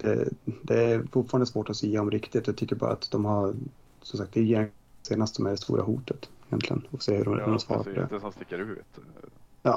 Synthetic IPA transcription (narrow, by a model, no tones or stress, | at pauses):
d̪̥ɛ̰d̪ɛæɾfʊʈfɑːɾand̪əsvoːʈɔsiːaɔmɾɪkt̪ɪt̪ɔjɑt̪ʏkːəɾbɑ̰ːɾa̰a̰t̪d̪ɔmɦa | sɔmsak̚t̪ɛɛseːnast̪sɔmæɖɛst̪ṵːɾʔa̰ɦṵːt̪ət̪ɪjɛnt̪lɪɡə̰nɔkseːhɵɾɔasfɑ̰ːɾapɔd̪ɛ̰st̪ɪkːəɾʉːt̪jɑː